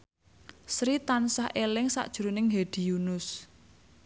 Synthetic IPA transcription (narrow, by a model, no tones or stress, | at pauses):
sɾit̪ansahʔelɪŋsa̰ʔd̥ʒ̥uɾunɪŋɦed̪̥i̤junʊs